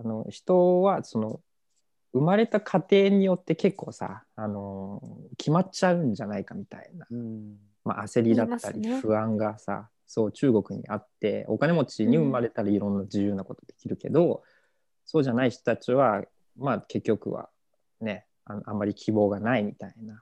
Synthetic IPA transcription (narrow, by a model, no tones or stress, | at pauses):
ano̞̰çi̥t̪o̞βaso̞no̞ | ɯ̟maɾe̞t̪akʰat̪e̞ːɲ̟ijo̞t̪ːe̞ke̞kːo̞ːsa̰ːno̞kʲʰimat͡ɕaɯ̟̃ɲ̟d͡ʑanaikamʲit̪a̰ina | ma̰ase̞ɾʲid̪at̪ːa̰ɾʲiɸɯ̟ãŋɡasa̰ | so̞ːt͡ɕɨːɡo̞kɯ̟ɲ̟ḭʔa̰t̪ːe̞̰o̞kane̞mo̞t͡ɕiɲ̟iɯ̟maɾe̞t̪aɾaiɾõ̞nːad͡ʑijɯ̟ːnːako̞t̪o̞d̪e̞kʲiɾɯ̟ke̞̰d̪o̞ | so̞ːʑanaiçi̥t̪o̞̥t̪at͡ɕiβa | make̞kʲːo̞kɯ̟̰βa̰ | ne̞ | anoamːaɾʲikʲʰibo̞ːɡanaimʲit̪aina